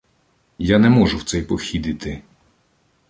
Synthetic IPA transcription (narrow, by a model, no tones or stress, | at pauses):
janɛmɔʒʊwt̪sɛjpɔxʲid̪ɪt̪ɪ